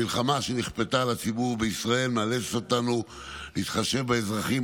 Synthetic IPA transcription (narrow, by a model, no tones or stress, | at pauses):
ilχamaʃeniχpetaːlat͡sibuʁbeisʁae̞lmealet͡stotanu | liːt̪χaʃe̞vbeezʁaχi